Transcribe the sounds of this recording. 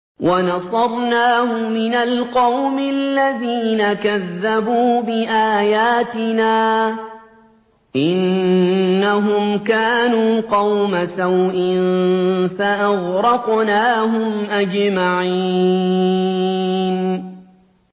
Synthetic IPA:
wʔanɑsˤɑɾˤnaːhʊmɪnalqɑwmɪlːaðiːnakaðːabuːbɪʔaːjaːt̪ɪnaː | ʔɪnː | aɦʊmkaːnuːqɑwmasawʔɪnfaʔaɣɾɑqnaːɦʊmʔad͡ʒmaʕi | n

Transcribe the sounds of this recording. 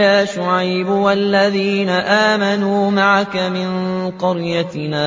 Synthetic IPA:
jaːʃʊʕajbʊwalːaðiːnaʔaːmanuːmaʕakamɪnqɑɾjat̪ɪnaː

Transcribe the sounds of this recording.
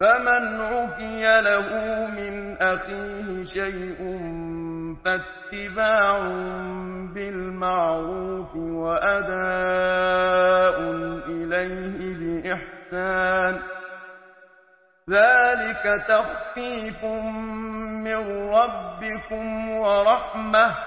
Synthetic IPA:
famanʕʊkɪjalahʊːmɪnʔaxiːhɪʃajʔʊn | fat̪ːɪbaːʕʊmbɪlmɑʕɾuːfɪwaʔad̪aː | ʔʊnʔɪlajhɪbɪʔɪħsaːn | ðaːlɪkat̪ɑxtiːfʊ | mɪnɾˤɑbːɪkʊmwɑɾˤɑħmah

